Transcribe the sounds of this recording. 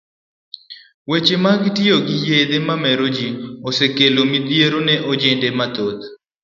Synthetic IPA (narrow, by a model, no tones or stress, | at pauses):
wet͡ʃemaɡtɪoɡɪjed̪emamɛɾod͡ʒiosekelomid̪jeɾonɛʔod͡ʒendemat̪ot̪